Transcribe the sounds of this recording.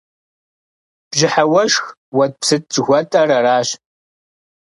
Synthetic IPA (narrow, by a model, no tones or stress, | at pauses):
b̥ʒɪħawɐʃx | wɐt̚psɨt̚t͡ʃʼɣʷɔtʼɐrɐraːɕ